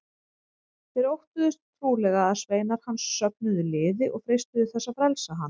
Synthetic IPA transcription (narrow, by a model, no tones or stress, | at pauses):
θɪɾowht̪ʏðʏst̪t̪ʰːɾuːlɛɣaaðsveːjnaɾ̥hansːœp̚nʏðʏlɪːðɪʔɔɣfɾejst̪ʏðʏθɛsːafɾɛlsaɦan